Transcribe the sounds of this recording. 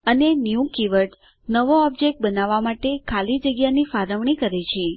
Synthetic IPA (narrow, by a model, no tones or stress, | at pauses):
ənenjũkiʋəʈ | nəʋoɔb̚d͡ʒek̚ʈ̚bənaʋːamaʈekʰalid͡ʒəɡjanifaɾəʋɳikəɾet͡ʃʰe